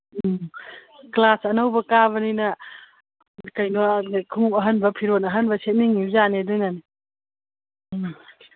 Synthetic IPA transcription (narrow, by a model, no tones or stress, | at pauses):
klasɐnawbɐkaβɐninɐ | kajnokʰupɐɦɐnbɐpʰiɾonɐɦɐnbɐsʰet̚niŋːizanedujnani